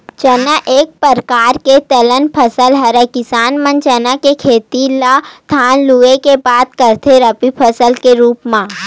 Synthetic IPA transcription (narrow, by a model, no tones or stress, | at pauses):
t͡ʃənaʔeːk̚pəɾkaːɾket̪ɐlənpʰəsəlɦɐɾekɪsaːnmə̃nt͡ʃənakekʰeːt̪ilat̪ʰaːnluekebaːt̪kəɾt̪ʰeɾɐpipʰəsəlkeɾuːpmãː